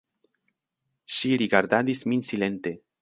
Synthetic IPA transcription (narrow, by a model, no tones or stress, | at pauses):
ʃiɾiɡaɾd̪ad̪isminsile̞nt̪e̞